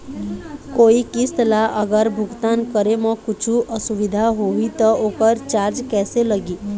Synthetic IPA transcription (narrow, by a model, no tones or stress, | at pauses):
koːikɪst̪laʔəɡəɾbʱʊɡt̪ankəɾemə̃kʊt͡ʃʰuʔəsuʋid̪ʱaɦoʋit̪əoːkəɾt͡ʃaɾd͡ʒkɛːseləɡiː